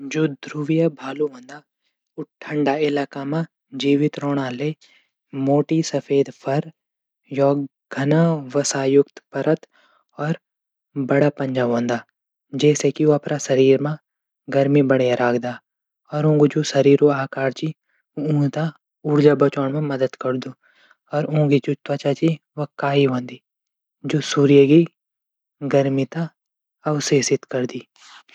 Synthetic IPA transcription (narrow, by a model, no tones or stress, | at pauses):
d͡ʒoːd̪ɾuʋijabʱaːluɦõːnd̪a | ʊʈʰɐ̃ɳɖaːɪlaːkamã | d͡ʒiːʋɪt̪ɾɔːɽ̃ãːle | moːʈisɐfʰeːd̪pʰɐɾ | jɔː | ɡʱɐnãʋɐsaːjʊkt̪pɐɾət̪ | ɔːɾ | bɐɽaːpɐ̃ɲd͡ʒaːɦõːnd̪aː | d͡ʒɛːsekioɐpɾasɐɾiːɾmã | ɡɐɾmibɐɽejaɾʔaːkʰd̪aː | ɔːɾõːɡud͡ʒosɐɾiːɾoaːkaːɾt͡ʃi | oũːt̪a | ʊɾd͡ʒabɐt͡ʃoːɳmãmɐd̪əd̪kɐɾd̪oː | ɔːɾũːɡit͡ʃʊt̪ʋat͡ʃat͡ʃi | ʋɐkaːiɦõːnd̪i | d͡ʒoːsuːɾijəɡi | ɡɐɾmit̪a | ɐʋseːsɪt̪kɐɾd̪iː